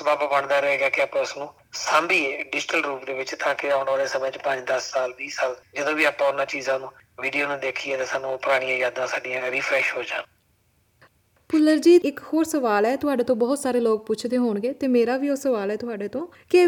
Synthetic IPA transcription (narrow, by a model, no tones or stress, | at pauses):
baːbabəɳd̪aːɾəɦeːɡaːkɪaːpãːʊsnũː | sãːmbiːeːɖɪd͡ʒɪʈəlɾuːpd̪eːʋɪt͡ʃt̪ãːkɪaːʊɳʋaːleːsəmẽːt͡ʃpə̃ɲd͡ʒd̪əsːaːlbiːsaːld͡ʒəd̪õːʋiːaːpãːʊnãːt͡ʃiːzãːnũː | ʋiːɖijoːnũːd̪eːkʰiːɛːt̪eːsaːnːũpʊɾaːɽ̃ĩjãːjaːd̪ãːsaːɖijãːɾiːpʰɾɛːʃɦoːd͡ʒaːna | pʊlːəɾd͡ʒiːɪkhoːɾsəʋaːlɛːt̪ʊɦaːɖeːt̪õːbɔːt̪saːɾeːloːk̚pʊt͡ʃʰd̪eːɦoːɳɡeːt̪eːmeːɾaːʋiːoːsəʋaːlɛːt̪ʊɦaːɖeːt̪õː | kɪ